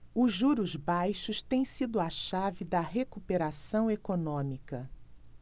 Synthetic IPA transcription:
ʊʒuɾʊzbajʃʊʃt̪ẽj̃sid̪ʊɐʃavɪd̪ɐɦekupeɾasɐ̃w̃ekonõmikɐ

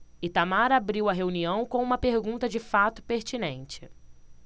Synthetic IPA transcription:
ɪt̪amaɾabɾiwɐɦeuniɐ̃w̃kõũmɐpeɾɡũnt̪ɐd͡ʒɪfat̪ʊpeɾt͡ʃinẽnt͡ʃɪ̥

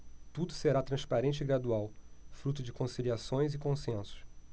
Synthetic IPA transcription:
t̪ud̪ʊseɾat̪ɾɐ̃spaɾẽnt͡ʃɪɪɡɾad̪uawfɾut̪̬ʊd͡ʒɪkõsiliasõj̃zɪkõsẽsʊ̥s

